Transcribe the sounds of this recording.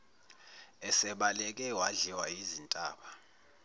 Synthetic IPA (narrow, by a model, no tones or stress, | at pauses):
ɛsɛɓalɛk̬ʼɛwaɮɛwaizintʼaːɓa